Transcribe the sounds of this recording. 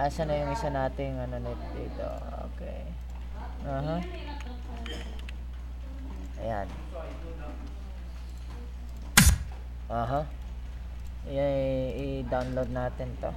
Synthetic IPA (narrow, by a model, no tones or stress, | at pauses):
ʔasɐnɐjʊŋʔɪsɐnaːt̪ɪŋɐnonɪt̪d̪ḭːt̪o̰ | o̰ːkɛ̰j | aːɦa | ɐja̰n | ʔoːɦa | jʊnɪd̪awnlod̪̚naːt̪ɪnt̪o̰